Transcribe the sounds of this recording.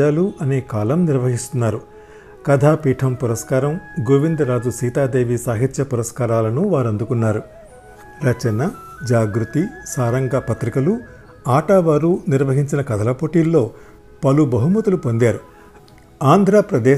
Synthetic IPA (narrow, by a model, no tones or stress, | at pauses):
aːluʔɐne̞ːkaːlɐmniɾʋɐɦist̪unːaːɾu | kɐd̪ʱaːpiːʈʰɐmpuɾɐskaːɾɐmɡuʋind̪ɐɾaːd͡ʒusiːt̪aːd̪eːʋisaːɦit̪ʃɐpuɾɐskaːɾaːlɐnuʋaːɾɐnd̪ukunːaːɾu | ɾɐt͡ʃɐnɐ | d͡ʒaːɡɾut̪isaːɾɐŋɡapɐt̪ɾikɐlu | aːʈaːʋaːɾuniɾʋɐɦiɲt͡ʃinɐkɐd̪ʱɐlɐpoːʈiːlːo̞ː | pɐlubɐɦumɐt̪ɐlupo̞nd̪jaːɾu | aːnd̪ʱɾaːpɾɐd̪ɛː